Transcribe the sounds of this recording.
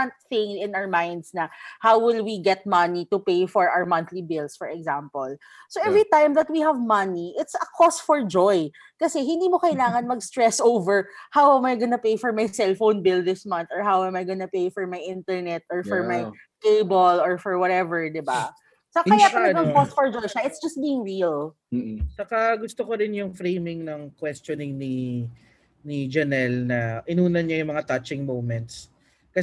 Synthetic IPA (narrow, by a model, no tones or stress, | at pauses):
ant̪̚θɪ̃ŋɪ̃nawəmajnd̪snɐhawwɪlwiɡɛt̪̚mɐnit̪ʊpejfɔɹʔa̰wəɹmɐ̃nθlibɪlsfɔɹɛɡzampɔl | soʔɛvɹit̪ãjmðɐt̪̚wihɐvmɐniʔɪt̪sɐkʰɔst̪fɔɹd͡ʒɔj | kɐsɛɦɪnd̪iːmokɐjlaːŋɐnmɐɡst̪ɹɛsʔowvɛɹhawɛmajɡɐnɐpejfɔɹmajsɛlfownbɪld̪ɪsmɐ̃nθɔɹɦawɛmajɡɐnɐpejfɔɹmajʔɪnt̪ɛɹnɛt̪ʔɔɹfɔɹmaj | t̪ejbolɔɹfɔɹwɔt̪ɛvɛɹd̪ɪba | sɐkɐjaːɐɐɐɡpɔst̪fɔɹd͡ʒojʃɐʔɪt̪sd͡ʒɐst̪̚biːɪŋɹil | t͡ʃɐkɐɡʊst̪okoɾɪnjʊŋfɾejmɪŋnɐŋkwɛst̪onɪŋni | nid͡ʒɐnɛlnɐʔɪnuːnɐnɲajʊŋmɐŋat̪ɐt͡ʃɪŋmowmɛnt̪̚s | kɐ